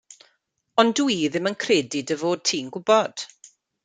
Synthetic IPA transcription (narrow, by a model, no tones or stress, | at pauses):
ɔndwiðɪmənkʰreːdidəvoːd̚tʰiːnɡʊbɔd̥